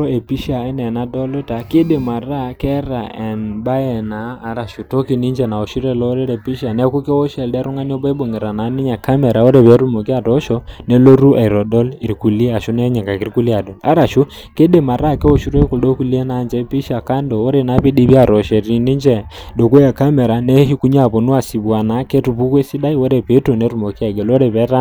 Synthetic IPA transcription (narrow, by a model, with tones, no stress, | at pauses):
ɔ˦e˨pi˦ʃa˨i˦nɛ˨na˨˦dɔ˦lo˦ta˨˦ke˦de˨ma˨ra˦kɛ˦ɾa˨ɛ˨nba˦jɛ˨naː˨˦˨ɾa˨ʃu˨to˦ki˨ni˦ɲd͡ʒɛ˨na˨o˨ʃi˦ɾɛ˦˨lɔ˦ɾɛ˦ɾɛ˨pi˦ʃa˨nɛ˦ku˦ke˦ɔ˦ʃɛ˨ldɛ˦ɾʊ˦ŋa˦ni˦ɔ˦ba˦bo˨ŋe˨ɾa˨na˨˦nɪ˦ɲa˨ka˦mɛ˨ɾa˨o˦ɾe˨βɛ˨˦ɾu˦mo˨kɪ˦a˨tɔ˦ʃɔ˦nɛ˦lo˦ɾu˦ʔa˨i˨ɾɔ˨dɔ˦li˨ɾku˨li˦a˨ʃu˦nɛ˦ɲɛ˨ka˨ki˦ɾku˦li˦a˨dɔ˨la˦ɾa˨ʃu˦ | ke˦ɗe˨ma˨ɾa˦˨kɛ˦o˨ʃu˦ɾo˦ku˨ldo˦ku˦li˦e˦na˦nd͡ʒɛ˦pi˦ʃa˨ka˦ndɔ˨o˦ɾe˨na˨˦pi˦di˦bi˦a˨ɾɔ˨ʃɛ˨ɾi˨ni˦ɲd͡ʒɛ˨ | ɗo˨ko˦ja˨ka˦mɛ˨ɾa˨nɛ˦ɦi˦ku˦ɲ˦a˦˨po˨nu˦a˨si˨bwa˨na˨˦ke˦tu˨pu˦kwe˦si˦da˦i˦wo˦ɾɛ˨pe˨˦to˨ne˨˦ɾu˦˨mo˨ki˦a˦˨ɡɛ˨lo˦ɾɛ˨pɛ˦ɾa˦